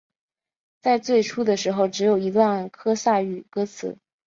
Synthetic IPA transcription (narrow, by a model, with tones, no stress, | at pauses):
t͡sa˥˧ɪt͡swe˥˩ɪʈ͡ʂʰu˥d̪ə˨ʂɻ̩˧˥xo˥˧ʊʈ͡ʂɻ̩˧˥jo˨˩ʊi˧˥t̪wa˥˩nkʰɤ˥sa˥˧y˨˩kɤ˥t͡sʰɹ̩̰˨˩˦